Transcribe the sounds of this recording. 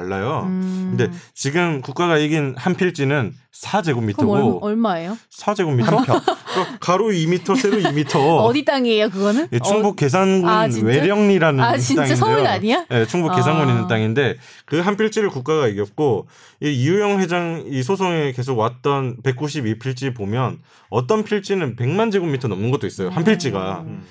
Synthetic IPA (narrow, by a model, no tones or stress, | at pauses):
aɭːajokkɯnde̞t͡ɕiɡɯmkuk͈̚aɣaiɡinhanpʰiɭt͡ɕ͈inɯn | sʰad͡ʑe̞ɡomːitʰʌoɭmaejo | sʰad͡ʑe̞ɡomːitʰʌk͈akaɾoimitʰʌsʰe̞ɾoimitʰʌʌdit͈aŋiejokɯɡʌnɯnjet͡ɕʰuŋbuk͈e̞s̬ʰanɡunweɾjʌŋɲiɾanɯit͈aŋndedaɲioje̞t͡ɕʰuŋbuk͈e̞sʰanɡuninɯnt͈aŋinde̞ | kɯɦanpʰiɭt͡ɕ͈iɾɯɭkuk͈̚aɣaiɡjʌt̚k͈o | iijujʌŋwe̞d͡ʑaŋis̬ʰosʰʌŋe̞ke̞s̬ʰoɡwat̚t͈ʌnpe̞k̚k͈uɕ̬ʰibipʰiɭt͡ɕ͈ipomjʌn | ʌt͈ʌnpʰiɭt͡ɕ͈inɯnpe̞ŋmand͡ʑeɡomːitʰʌnʌmnɯnɡʌt͈ois͈ʌjohanpʰiɭt͡ɕ͈iɡa̰